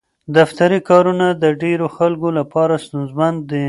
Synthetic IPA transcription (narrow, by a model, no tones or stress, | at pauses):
d̪aft̪aɾikɑɾunad̪əɖeɾoxalkolapɑɾast̪unzmand̪ə